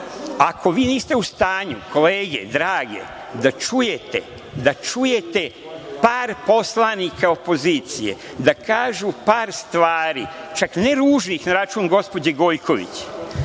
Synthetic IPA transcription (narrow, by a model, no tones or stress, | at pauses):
akʰo̞ʋiːniːst̪eust̪aːɲukʰo̞leːɡe̞̰d̪ɾaːɡe̞̰ | d̪at͡ʃuje̞t̪ḛ | d̪at͡ʃuje̞t̪e̞ | paːɾpo̞slˠanikʰao̞po̞ziːt̪sijḛ | d̪akaːʒupaːɾst̪ʋaːɾḭt͡ʃakneɾuːʒnixnaɾat͡ʃuːnɡo̞spo̞d͡ʑeɡo̞ːjkʰo̞ʋḭt͡ɕ